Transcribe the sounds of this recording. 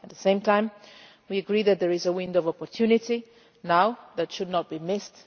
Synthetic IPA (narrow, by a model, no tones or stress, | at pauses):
ət̪̚ðəsẽɪ̃mtʰãɪ̃m | wiɨɡɹiðɨt̪̚ðəɹɪzəwɪ̃ndovɔpɔɹtʰjunɪti | naʊðɨtʃɨdⁿnət̚b̥imɪst